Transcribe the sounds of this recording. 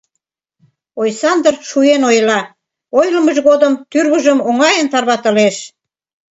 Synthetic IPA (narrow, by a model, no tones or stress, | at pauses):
ojsɑnd̪ərʃuenojlɑ | ojlə̆məʒɣod̪əmt̪yrɣəʒəmoŋɑjənt̪ɑrβɑt̪ə̆leʃ